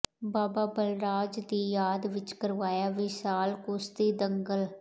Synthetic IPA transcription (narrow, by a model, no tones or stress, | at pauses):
baːbaːbəlɾaːd͡ʒd̪iːjaːd̪ʋɪt͡ʃkəɾʋaːjaːʋiːsaːlkʊst̪iːd̪əŋɡəl